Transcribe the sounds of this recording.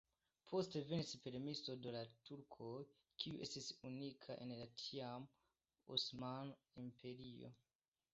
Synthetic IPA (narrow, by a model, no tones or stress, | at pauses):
pʰo̞ste̞ve̞nispe̞ɾmiso̞dolatuɾkʰo̞j | kʰiuʔe̞stisunikʰaʔenlatʰiam | o̰smanimpʰe̞ɾio̞̰